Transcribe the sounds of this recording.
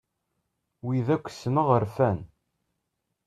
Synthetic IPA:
wiðækʷːsənəʁəɾfæn

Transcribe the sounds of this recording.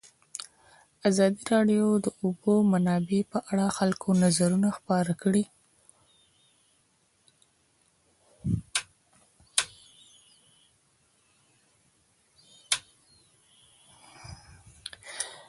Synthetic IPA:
azɑd̪iɾɑɖjod̪əʊbomanɑbepəʔaɽaxalkʰonazaɾunaxpɑɾakɽi

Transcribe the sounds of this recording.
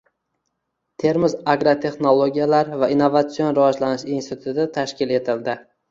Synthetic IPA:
t̪ʰe̞ɾmɪzaɡɾot̪ʰe̞χnolˠoɡʲijalaɾvainːovat̪sio̞nɾavɒd͡ʒlanɪʃinst̪ɪt̪ʰʊt̪ɪt̪ʰaʃkʲɪle̞t̪ʰɪld̪ɪ

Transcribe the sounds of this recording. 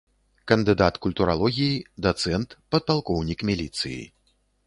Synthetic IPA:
kɐnd̪ɨd̪at̪kulʲt̪uɾalˠɔɣʲijid̪ɐt̪sɛnt̪pɐt̪̚palˠkɔwnʲikmʲilʲit̪sɨ̰jḭ

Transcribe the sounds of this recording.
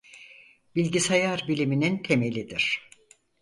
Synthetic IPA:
b̥ilʲɟisajaɾbilʲiminint̪ʰe̞me̞lʲid̪iɾ̥

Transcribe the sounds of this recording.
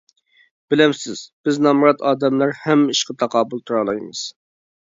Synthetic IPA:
b̥ɪlɪmsɪz̥b̥ɪznɑmɾɑt̪ʰɑːd̪ɛmlæɾhɛmiʃqət̪ʰɑqʰɑːbulˠt̪ʰuɾɑlˠɑjmɨ̰z̥

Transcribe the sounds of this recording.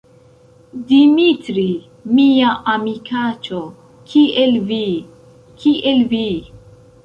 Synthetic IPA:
dimitɾi | miaʔamikat͡ʃo | kʰielvi | kʰiʔelvi

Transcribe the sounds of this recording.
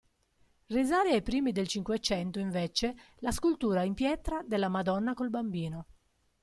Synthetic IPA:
rizaːɾiajpɾiːmid̪elt͡ʃiŋkwet͡ʃɛnt̪ʊiɱvɛt͡ʃe | laskult̪uːɾaimpjɛt̪ɾad̪elːamad̪ɔnːakolbambiːno

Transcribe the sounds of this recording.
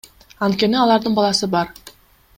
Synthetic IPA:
ɑnt̪kʲe̞niɑlˠɑɾd̪ɯɴbɑlˠɑsɯbɑɾ

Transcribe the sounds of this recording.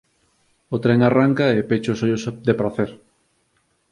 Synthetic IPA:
ot̪ɾeŋaraŋkaepet͡ʃosoʎosd̪epɾaθeɾ

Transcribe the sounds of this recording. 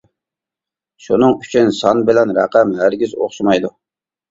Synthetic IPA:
ʃunɨŋyt͡ʃʰynsɑnbɪlɛnɾæ̰qæmɦæɾɡʲizo̰χʃɨmɑjd̪u

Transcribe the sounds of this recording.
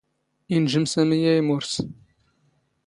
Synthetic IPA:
inʒɨmsæməjæjmuɾs

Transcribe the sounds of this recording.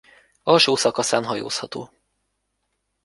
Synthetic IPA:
ɒlʃoːsɒkɒsaːnɦɒjo̰ːshɒt̪o̰ː

